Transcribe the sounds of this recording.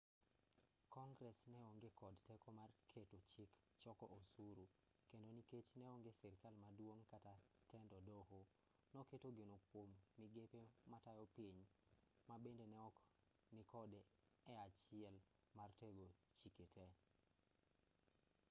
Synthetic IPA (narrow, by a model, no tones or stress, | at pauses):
kɔŋɡɾɛsnɛoŋɡekɔdtɛkɔmarkʰetot͡ʃɪk | t͡ʃɔkɔʔosuɾu | kendoniket͡ʃnɛoŋɡesɛɾkalmadwoŋkatatɛndɔdɔho | nɔketoɡenokwomniɡepematajɔpiɲ | mabendenɛɔk | nikɔd | ɛat͡ʃɪɛl | marteɡot͡ʃiketʰe